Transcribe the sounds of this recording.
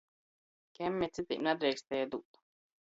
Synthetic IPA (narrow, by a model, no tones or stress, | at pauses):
kʲɛmʲːɛt̪sit̪ʲḭːmnad̪ɾɛjkst̪ɛjad̪uːt̪